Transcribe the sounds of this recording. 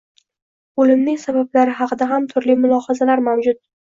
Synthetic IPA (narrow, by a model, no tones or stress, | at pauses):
olɪmnɪŋʲsabablaɾɪɦɑqʰɨd̪aɦamt̪ʰʊɾlimʊlˠɒhɑzalaɾmawd͡ʒʊt̪̚